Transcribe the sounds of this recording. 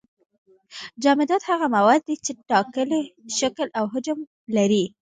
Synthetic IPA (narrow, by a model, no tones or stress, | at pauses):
d͡ʒɑmɪd̪ɑd̪haɣamawɑd̪̚ːit͡ʃeʈɑkəleʃaklawɦʊd͡ʒʊm | laɾi